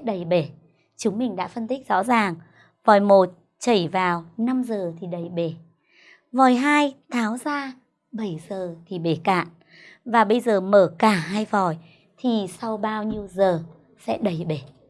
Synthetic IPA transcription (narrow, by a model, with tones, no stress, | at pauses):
ɗə˨˩jɓe˧˩ | t͡ɕʊ˨˦ŋ͡mmï˨˩ŋ̟ɗa̰ː˧˥fə˧nt̪ï˦˥k̚zɔ̰˧˥zaː˨˩ŋ | vɔ˨˩jmo˨˩t̚ | t͡ɕə˧˩jvaː˨˩wna˧mzəː˨˩t̪ʰi˨˩ɗə˨˩jɓe˧˩ | vɔ˨˩jɦaː˧jt̪ʰaː˨˦wzaː˧ | ɓə˧˩jzəː˨˩t̪ʰi˨˩ɓe˧˩ka̰ː˧˨n | vaː˨˩ɓə˧jzəː˨˩məː˧˩kaː˧˩ɦaː˧jvɔ˨˩j | t̪ʰi˨˩sa˧wɓaː˧wɲi˧əwzəː˨˩ | sɛ̰˧˥ɗə˨˩jɓe˧˩